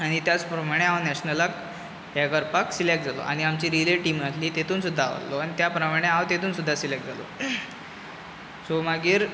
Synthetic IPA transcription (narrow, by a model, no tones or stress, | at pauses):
aɽ̃it̪jat͡spɾəmaɽ̃eaʋnɛɕnəlak | ɦaɡəɾpaksilek̚ʈd͡zalo̰ʔa̰ɽ̃iamt͡ɕiːɾileʈiːmasliːt̪et̪ʰuːnsud̪ʱːaʋa̰lloañit̪japɾəmaɽ̃eaʋt̪et̪ʰuːnsud̪ʱːasilek̚ʈ̚d͡zalo̰ | somaɡiːɾ